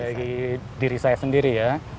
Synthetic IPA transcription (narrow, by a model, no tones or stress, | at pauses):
aɡidiɾisajasəndiɾija